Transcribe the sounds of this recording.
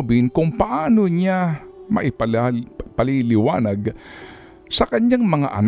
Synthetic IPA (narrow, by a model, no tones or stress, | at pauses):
bɪnkʊŋpɐʔaːnoɲamɐ̰ʔɪpɐpɐlilɪwa̰ːnaɡ | sɐkɐɲaŋmɐŋa̰ʔɐ̰n